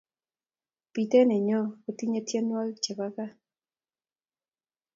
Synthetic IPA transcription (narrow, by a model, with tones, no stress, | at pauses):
pi˨t̪ɛ˦nɛ˨ɲɔ˦o˨t̪i˦ɲe˦tje˦n˦a˦ɡt͡ʃɛ˨ba˦ka˦